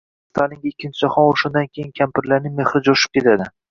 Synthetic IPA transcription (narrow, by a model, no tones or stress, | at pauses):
st̪ʰalɪŋɡʲaɪkʲːɪnt͡ʃʰɪd͡ʒɒχɒnoʃʊnd̪ankʲʰejɪnkʲʰampɪɾlaɾnɪme̞χɾɪd͡ʒoʃɪ̥p̚kʲe̞t̪ʰad̪ɪ